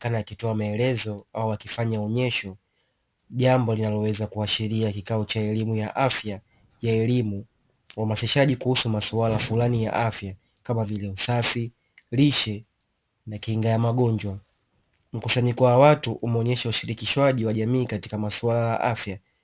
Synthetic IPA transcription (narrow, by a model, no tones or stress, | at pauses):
kanajakitɔamaɛlɛzɔauwakifaɲaɔɲɛʃɔ | ʄambɔlinalɔwɛzakuaʃiɾiakikaɔt͡ʃaɛlimujaʔafja | jaɛlimu | wamasiʃaʄikuhusumasualafulanija̰ʔafja | kamavilɛusafi | liʃɛ | nakihiŋɡajamaɠɔɲd͡ʒwa | m̩kusaɲikɔwawatuʔumɔɲɛʃauʃiɾikiʃwaʄiwaʄamiːkati̥kamasuwalaja̰ʔafja